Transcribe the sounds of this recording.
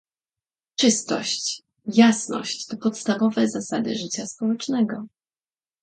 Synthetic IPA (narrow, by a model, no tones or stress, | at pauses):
t͡ʂɘst̪ɔ̰ɕt͡ɕ | jasnɔ̰ɕt͡ɕt̪ɔpɔt̪st̪avɔvɛzasad̪ɘ̰ʐɘt͡ɕaspɔwɛt͡ʂnɛɡɔ